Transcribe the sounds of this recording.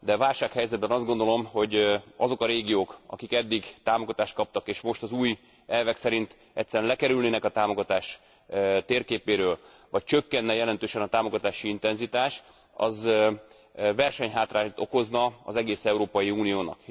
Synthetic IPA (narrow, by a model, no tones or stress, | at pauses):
d̪ɛvaːlʃaːkhɛjzɛd̪̚bɛnɒzd̪ɡo̞nd̪o̞lo̞mho̞ɟɒzo̞kɒɾeːɡijoːkɒ̰kikɛd̪ːiɡt̪aːmoɡɒt̪aːʃt̪̚kɒp̚t̪ɒkeːʃmo̞ʃt̪ɒzuːj | ɛlvɛksɛɾint̪ | ɛct̪sːɛɾɛnlɛkɛɾylneːnɛkɒt̪aːmo̞ɡɒt̪aːʃ | t̪eːrkeːpeːɾøːl | vɒc̚t͡ʃøkːɛnːɛjɛlɛnt̪øːʃɛnɒt̪aːmo̞ɡɒt̪aːʃiint̪ɛnzit̪aːʃ | ɒ̰z | vɛrʃɛɲɦaːt̪raːɲt̪o̞ko̞znɒɒ̰zɛɡeːsɛuɾoːpɒjiuːnijoːnɒ̰k